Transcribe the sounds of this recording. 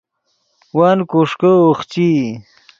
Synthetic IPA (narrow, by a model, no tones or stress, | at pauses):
wankuʂkəoχt͡ɕi